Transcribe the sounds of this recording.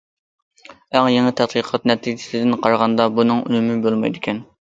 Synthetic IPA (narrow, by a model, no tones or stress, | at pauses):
æŋjeŋɨt̪ʰɛt̪̚qiqʰɑt̪nɛt̪ʰid͡ʒɪ̥sɪd̪ɪnqʰɑɾʁɑnd̪ɑbunɨŋy̰nɪmɪbolˠmɑ̰jd̪ɪkʲʰɛn